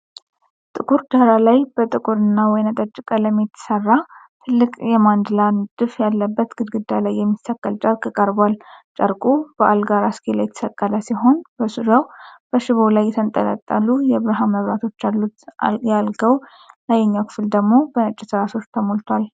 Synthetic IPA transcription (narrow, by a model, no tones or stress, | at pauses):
t̪ʼɨkʼuɾd̪aɾalajb̥ət̪ʼɨkʼuɾɨnːawɔjnət̪ʼət͡ʃʼːɪkʼələmːit̪ʰːsərːa | t̪ʰɨlːɨkʼjɛmand̪lanɨd̪̥ɨfjalːəbːət̪ɡ̥ɨd̪ɡɨd̪ːalajːɛmːist̪ʰakːəlt͡ʃʼəɾkʼɨkʼəɾbwalt͡ʃʼəɾkʼub̥əʔalɡaɾaskʰela̰jɛt̪ʰsəkʼːalasiɦo̞nbəsud̪awb̥əʃɪβolajːɛt̪ʰənt̪ʼələ̰t̪ʼːalːujɛβɾaɦaməβɾat̪ʰo̞t͡ʃːjalːut̪jalɡəw | najɛɲːakʰɨ̥fɨld̪əɡmo̞bənət͡ʃʼːɪsɨɾaso̞t͡ʃːt̪ʰəmolt̪ʰwal